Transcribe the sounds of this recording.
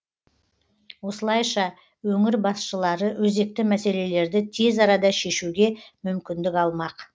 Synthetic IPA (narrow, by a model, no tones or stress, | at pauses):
wo̞səlˠɑjʃɑ | wɵŋɪɾbɑsʃəlˠɑɾəwɵze̞k̚t̪ɪmæse̞le̞le̞ɾd̪ɪt̪ʰe̞zɑɾɑd̪ɑʃe̞ʃuɡʲe̞mʏmkʲɪnd̪ɪkʲɑlˠmɑq